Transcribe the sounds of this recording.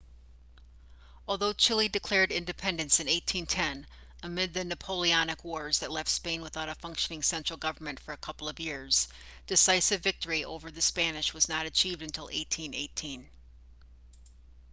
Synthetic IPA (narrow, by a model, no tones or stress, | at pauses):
ɔlˠðoʊt͡ʃʰɪlˠidɨkʰl̥ɛɹɾɪ̃ndɨpʰɛ̃ndɨ̃nsɨ̃neɪtʰĩntʰɛ̃n | əmɪd̪̚ðɨnɨpʰoʊlˠiɑnɨkwɔɹzðɨtˡlɛftspẽɪ̃nwəθaʊɾɨfʌ̃ŋkʃɨnɪ̃ŋsɛ̃nt͡ʃɹ̥l̩ˠɡʌvə˞mɨ̃ntfə˞ɨkʰʌpl̩ˠʌvjɪɹz̥ | d̥ɨsaɪsɨvɪk̚tə˞iʔo̰ʊvə˞ðɨspænɨʃwʌznəɾɨt͡ʃʰivdɨ̃ntʰɪlˠḛɪtʰĩnḛɪtʰĩn